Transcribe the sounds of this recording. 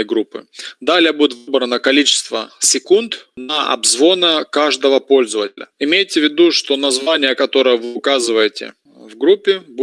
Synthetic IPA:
əjɡɾupːɨ̰d̪alʲɪjəbudʲɪt̪vɨbɾənəkɐlʲit͡ɕɪ̥st̪vəsʲɪkunt̪nɐʔɐ̰bzvo̞nəkaʐd̪əvəpo̞lʲzəvətʲɪlʲə̰ɪmʲejtʲɪvʲɪd̪uʂt̪o̞nɐzvanʲɪjəkɐt̪o̞ɾəjəvɨʊkazɨvəjɪtʲɪ̰ | vɡɾupʲːɪbu

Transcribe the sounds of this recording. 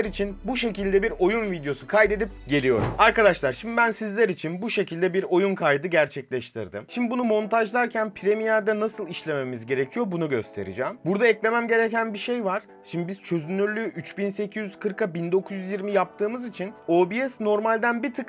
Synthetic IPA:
ɾit͡ʃʰinbuʃe̞cilʲd̪ɛbiɾo̞junvid̪jo̞sukʰajd̪ed̪ip̚ɟe̞lʲijo̞̰ɾṵmaɾkad̪aʃlˠaɾʃimd̪ibænsizlʲeɾit͡ʃʰinbuʃe̞cʰilʲd̪ɛbiɾo̞junkʰajd̪ɯɡɟæɾt͡ʃʰɛclʲɛʃt̪ʰḭɾd̪ɯ̰mʃimd̪ibunumo̞nt̪ʰaʒlˠaɾcʰænpʰiɾe̞mijæɾd̪ɛnasɯlˠiʃlʲe̞me̞mizɟe̞ɾe̞cʰijo̞ɾbunuɟø̞st̪ʰe̞̰ɾḭd͡ʒɛːmbuɾd̪aɛclʲe̞mæmɟe̞ɾecænbiʃe̞jvaɾ̥ | ʃimd̪ibiz̥t͡ʃʰø̞zynːyɾlʲyʔyt͡ʃbinse̞cʰizyzkʰɯɾkabind̪o̞kʰuzjyzjiɾmijap̚t̪ʰɯːmɯzit͡ʃʰino̞ːbijɛsno̞ɾmalʲd̪ænbit̪ʰɯk

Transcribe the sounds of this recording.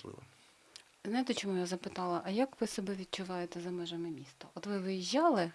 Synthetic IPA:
lˠɪ̰ʋɔ̰ | znɐjt̪ɛt͡ʃɔmujazɐpɪt̪ɑlˠɐʔɐjɐkʋɪsɔbɛʋʲid̥̪̚t͡ʃʊʋɑjet̪ɛzɐmɛʒɐmɪmʲist̪ɐʔɔt̪ʋɪʋɪjiʒʲːɑlˠɪ

